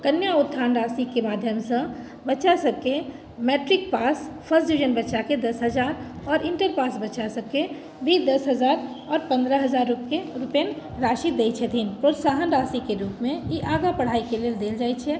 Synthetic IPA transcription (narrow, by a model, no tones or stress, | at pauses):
kənjaut̪ʰːanɾasikemad̪ʱjəmsə̃ | bət͡ʃasəb̚ke | meʈɾik̚paspʰəsd͡ʒud͡ʒənbətːʃaked̪əsɦəd͡ʒaɾ | ɔːɾiɳʈəɾpasbət͡ʃasəbke | bʱid̪əsɦəd͡ʒaɾ | ɔːɾpə̃nd̪ɾəɦəd͡ʒaɾːupkeɾupen | ɾaʃit̪̚d̪et͡ʃʰət̪ʰinpɾot̪saɦənɾasikeɾupmeiʔaɡapəɽ̤aikeleld̪eld͡ʒajt͡ʃʰɛ